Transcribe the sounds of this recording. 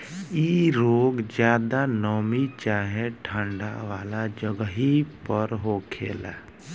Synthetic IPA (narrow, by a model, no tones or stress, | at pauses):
iːɾoːɡd͡ʒjaːd̪anɔːmit͡ʃaːɦẽʈʰãːɳɖa̰ʋaːlad͡ʒəɡɦipəɾɦoːkʰḛːla̰ː